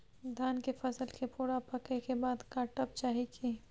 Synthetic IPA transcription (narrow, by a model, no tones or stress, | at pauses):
d̪ʱjaːnkefʰɐsəlkepʊːɽapɐkekebaːd̪kaːɾʈəp̚t͡ʃaːɦikʰi